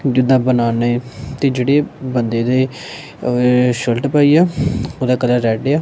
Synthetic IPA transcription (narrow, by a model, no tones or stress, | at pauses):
d͡ʒɪd̪ãːbənaːnet̪eːd͡ʒeːɽeːbənd̪eːd̪eː | ʃəlʈpaːiːaːoːd̪aːkələɾɾɛːɖeːaː